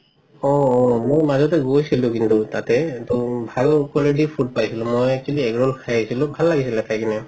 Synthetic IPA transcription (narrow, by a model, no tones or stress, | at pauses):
ɔmojmazɔtɛɡojsilʊ̃kintutatɛtɔbʱalʊkɔledipʰut̚pajsilʊ̃mojɛkkʰiliɛɡɹɔlkʰajsilʊ̃bʱalːaɡisilɛtʰajkanɛ